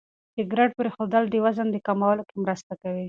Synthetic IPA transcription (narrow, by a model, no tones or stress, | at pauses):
d̪̥əɡɾaɖ̚pəɾexod̪əld̪əwazand̪əkamawəlokemɾəst̪akawi